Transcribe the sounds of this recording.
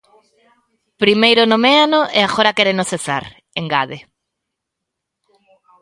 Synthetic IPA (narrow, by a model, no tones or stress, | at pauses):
pɾimejɾʊnomeanoeaɣoɾakeɾenosθesa̰ɾ | eŋɡaðe